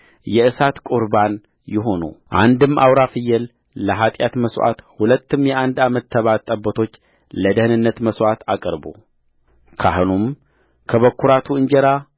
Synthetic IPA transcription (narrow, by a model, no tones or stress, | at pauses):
jɛɨsat̪kʼuɾban | jɪɦo̞nṵʔa̰nd̪ɨma̰wɾafɨjɛl | ləɦat̪ʼjat̪məsʔa̰t̪hulət̪ːɨmjɛʔand̪amət̪ʰːəβat̪ʼːəbːət̪ʰo̞t͡ʃː | ləd̪əhɨnɨnːət̪məswʔat̪ʰakʼəɾbo̰ | kʰahɨnum | kʰəβəkʰːuɾat̪ʰuɨnd͡ʒɛɾa